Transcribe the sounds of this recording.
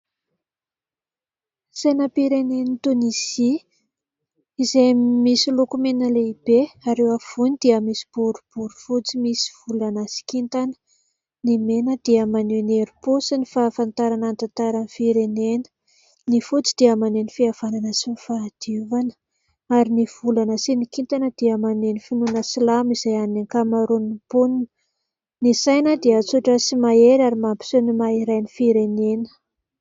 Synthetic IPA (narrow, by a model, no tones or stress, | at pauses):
z̥enapiɾenenit̪unisi | izemisilokumenəleib̥eaɾewav̥unid̪̥iəmisi̥b̥uɾub̥uɾu̥fut͡simisi̥v̥ulanasi̥kint̪anə̥ | nimenəd̪̥iəmaneneɾupusinifaːfant̪aɾanant̪ant̪aɾanifiɾenenə̥ | nifut͡si̥d̪̥iəmanenifiav̥ananəsimifad̪̥iuvanə̥ | aɾiniv̥ulanəsinikint̪anəd̪̥iəmanenifinunəsilamiz̥ajanniŋkamaɾunipuninə | nisajnəd̪iət͡suʈ͡ʂəsimaeɾaɾimampi̥senimaiɾajnifiɾenenə̥